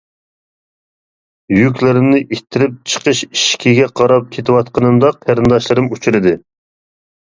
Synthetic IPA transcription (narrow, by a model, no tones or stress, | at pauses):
jykʲlɪɾɪmnɪʔit̪ʰːɪɾɪp̚t͡ʃʰə̥qəʃi̥ʃkʲʰiɡʲɛqʰɑɾɑp̚kʲʰet̪ʰɪwɑt̪qənɨmd̪ɑqʰæɾɨnd̪ɑʃlˠɨɾɨmut͡ʃʰuɾɨd̪ɨ